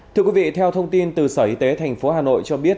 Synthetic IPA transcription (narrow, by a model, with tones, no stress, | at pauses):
t̪ʰɨ˧əkwi˨˦vḭ˧˨t̪ʰɛ˧wt̪ʰə˧wŋ͡mt̪i˧nt̪ɨ˨˩səː˧˩ʔi˧t̪e˨˦t̪ʰa˨˩jŋ̟fo˨˦haː˨˩no̰˧˨jt͡ɕɔ˧ɓi˦˥ət̚